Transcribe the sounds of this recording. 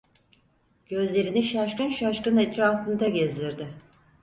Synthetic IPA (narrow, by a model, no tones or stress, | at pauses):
ɟ̥ø̞zlʲe̞ɾiniʃaʃkɯnʃaʃkɯnet̪ɾaːfɯnd̪aɟezd̪ʲiɾd̪ɪ